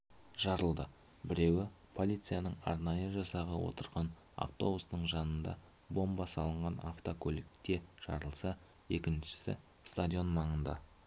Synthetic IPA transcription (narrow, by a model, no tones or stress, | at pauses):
ʒ̥ɑɾəlˠd̪ə | bɪɾe̞wɪ | pʰo̞lˠit̪sɨjanəɴɑ̰ɾnɑjəʒɑsɑʁəwo̰t̪əɾʁɑn | a̰ft̪o̞busnəɴʒɑnənd̪ɑ̰ | bo̞mbɑsɑlˠəɴʁɑnaft̪okʰolɪkt̪e̞ʒ̥ɑ̰ɾəlˠsɑ | e̞kʲɪnʃɪ̥sɪ̰ | st̪ad̪ʲijo̞nmɑɴənd̪ɑ̰